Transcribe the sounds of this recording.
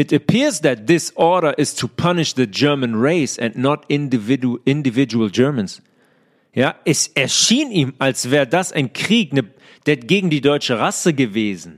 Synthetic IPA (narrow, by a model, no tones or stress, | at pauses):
ɪtəpʰɪɹzðɛt̪̚ðɪsʔɔːɾə˞ʔɪstʰupʰʌnɪʃðəd͡ʒɜːmə̃nɹeɪsɛ̃nnɔtɪnvɪɪ̃ndɪvɪd͡ʒuəld͡ʒɜ˞mə̃ns | jaːʔɛsɛɐʃiːniːmalsv̥ɛːʁədasa̰ɪ̃nkʁ̥iːknə | d̥eːɡeːɡŋ̩diːdɔʏt͡ʃəʁasəɡəveːzn̩